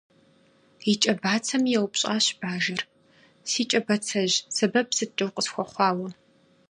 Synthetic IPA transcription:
it͡ʃʼɐbaːt͡sʰɐmjɛwpɕʼaːɕb̥aːʒɐr | siːt͡ʃʼɐbɐt͡sʰɐʑsɐbɐpsɨtʼɨwqʼəsxʷɔχʷɑːwɐ

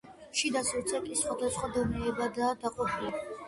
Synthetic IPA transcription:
ʃid̪asɔɾt̪sʰʼɛkʼisχwad̪asχwad̪ɔnɛːbad̪ad̪aqʼɔpʰilɛb

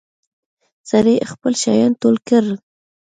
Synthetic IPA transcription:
saɾexpəlʃɑ̰jɑnt̪olkəɾ

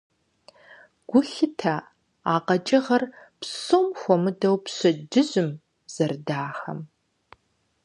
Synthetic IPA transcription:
ɡ̥ʷʊɬɨtʰa | aːqɐt͡ʃʼɪʁɐrpsomxʷɔmɨdɐwpɕɐd͡ʒɨʑɪm | z̥ɐrdaːxɐ̰m

